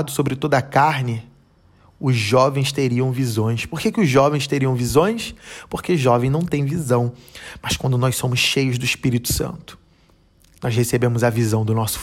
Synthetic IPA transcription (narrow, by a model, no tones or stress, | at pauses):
d̪ʊsobɾɪt̪od̪ɐkaɾnɪ | ʊzʒɔvẽj̃st̪eɾiɐ̃w̃vizõj̃spoɾkekɪʊzʒɔvẽj̃st̪eɾiɐ̃w̃vizõj̃spoɾkeʊʒɔvẽj̃nɐ̃w̃t̪ẽj̃vizɐ̃w̃mɐʃkwɐ̃nd̪ʊnɔjsõmʊsʃejʊzd̪ʊiʃpiɾit̪ʊ̥sɐ̰̃nt̪ʊ̥ | nɔzhesebẽmʊzɐvizɐ̃w̃d̪ʊnɔsʊ̥